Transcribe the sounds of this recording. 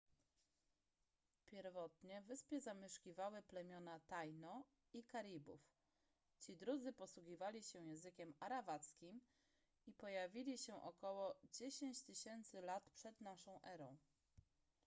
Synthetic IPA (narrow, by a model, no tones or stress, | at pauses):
pʲjɛɾvɔt̪ɲɛvɘspʲjɛzamʲɛʂkʲivawɘplɛmʲjɔnat̪ajnɔ | ikaɾʲibṵf | t͡ɕid̪ɾud̪zɘpɔswuɡʲivalʲiɕɛjɛ̃ñzɘkʲɛmaɾabat̪skʲim | ipɔjavʲilʲiɕɛʔɔkɔwɔd͡ʑeɕeɲt͡ɕt̪ɘɕɛnt̪sɘlat̪pʂɛd̪naʂɔ̃w̃ʔɛɾɔ̃w̃